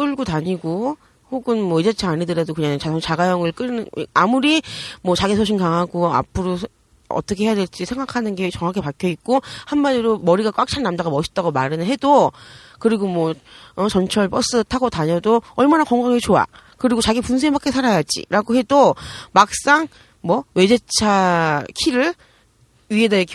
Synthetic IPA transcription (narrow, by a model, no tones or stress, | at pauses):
k͈ɯɭɡotaɲiɡo | hoɡɯnmwʌid͡ʑat͡ɕʰeaɲidɯɾadokɯɲaŋt͡ɕasʰoŋt͡ɕaɡajʌŋɯɭk͈ɯamuɾimwʌt͡ɕaɡisʰoɕʰiŋkaŋɦaɡoa̰pʰɯɾo | ʌ̰t͈ʌkʰe̞hejadwe̞ɭt͡ɕ͈isʰe̞ŋɡakʰanɯnɡe̞t͡ɕʌŋɦakʰe̞pakʰjʌit̚k͈ohanmaiɾomʌɾiɡakwak̚t͡ɕʰannamd͡ʑaɡamʌɕʰi̥t͈aɡomaɾɯnɦe̞do | kɯɾiɡomwʌʌt͡ɕʌnt͡ɕʰʌɭpʌs͈ɯtʰaɡotaɲʌdoʌɭmanakwʌŋɡaŋit͡ɕoa̰kɯɾiɡot͡ɕaɡipuns̬ʰebak͈e̞sʰaɾajad͡ʑḭɾaɡohe̞domak̚s͈aŋ | mwʌwe̞d͡ʑe̞t͡ɕʰakʰiɾɯɭ | ɥie̞dek